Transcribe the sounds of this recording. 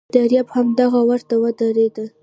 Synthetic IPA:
dd̪aɾjɑbhamd̪aɣawaɾt̪awəd̪aɾed̪əl

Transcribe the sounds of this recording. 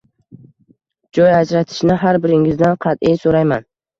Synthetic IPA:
d͡ʒɒjad͡ʒɾat̪ʰɪ̥ʃnɪɦaɾbɪɾɪŋɪzd̪anqʰɑt̪ɪjsoɾajman

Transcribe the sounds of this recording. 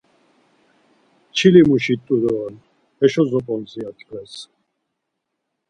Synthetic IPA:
t͡ʃʰilimuʃit̪ʼːuɾɔːn | ɛʃɔzɔpʼɔnziat̪ʰʼkʼɛs

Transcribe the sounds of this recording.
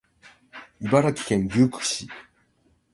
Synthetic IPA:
ibaɾakʲi̥kẽ̞ŋɡʲɨːkɯ̟̥ɕi

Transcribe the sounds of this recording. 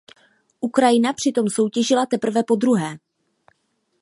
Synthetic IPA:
ʔukɾajɪnapr̝̥ɪt̪o̞mso̞wcɛʒɪlat̪ɛpr̩vɛpo̞d̪ɾuɦɛː

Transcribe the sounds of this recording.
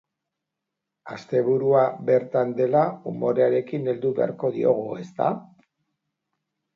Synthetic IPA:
ast̪e̞βuɾuabe̞ɾt̪and̪e̞laumo̞ɾeaɾe̞kine̞ld̪uβe̞a̰ɾko̞ðio̞ɣ̞ue̞st̪a̰

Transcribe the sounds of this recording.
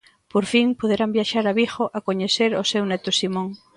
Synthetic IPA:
poɾfiŋpoðeɾambjaʃaɾaβixoʔakoɲeθeɾosewnet̪osimõŋ

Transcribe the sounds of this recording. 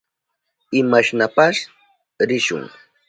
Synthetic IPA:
ɪmaʃnapaʃ | ɾɪʃʊ̰ŋ

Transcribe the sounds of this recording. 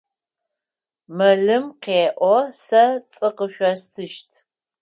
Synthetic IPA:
mɐɮɨmqeːʔʷɔsɐt͡sʼɨqəʃʷɔstʰɨʃtʰ

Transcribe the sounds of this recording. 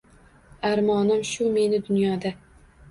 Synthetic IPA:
aɾmɒnɪmʃʊme̞nɪd̪ʊnjɒd̪a

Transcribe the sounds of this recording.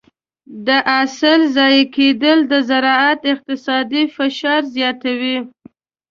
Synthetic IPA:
d̪əʔasəlzɑjked̪əld̪əzaɾɑat̪ɪq̚t̪ɪsɑd̪ifɪʃɑɾzjɑt̪awi

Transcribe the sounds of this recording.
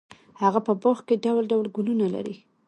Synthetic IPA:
haɣapəboxkeɖawlɖawlɡulunala̰ɾḭ

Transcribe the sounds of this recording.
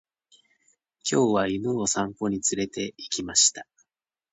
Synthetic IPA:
kʲo̞ːβainoːsãŋko̞ɲ̟it͡sɨɾe̞t̪e̞ikʲimaɕi̥t̪a

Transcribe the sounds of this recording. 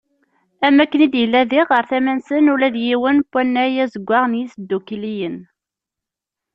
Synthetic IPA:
æmːækːənid̪jəlːæðiʁəɾθæmænsənʊlæðjiwənpʷːænːæjæzəɡʷːɑʁnjisd̪ːukilijən

